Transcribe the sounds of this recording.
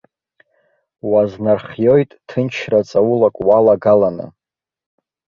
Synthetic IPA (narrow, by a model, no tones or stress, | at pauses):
waznarχjo̞jtʼtʰɨnt͡ʃʰrat͡sʼawulakʷʼwalaɡalanɨ̰